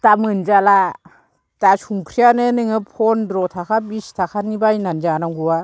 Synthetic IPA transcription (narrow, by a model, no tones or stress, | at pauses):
tamɯnd͡ʒala | tasuŋkʰɾijanɯnɯŋɯpʰɔndɾɔtʰakʰabistʰakʰanibajnand͡ʒanaŋɡuwa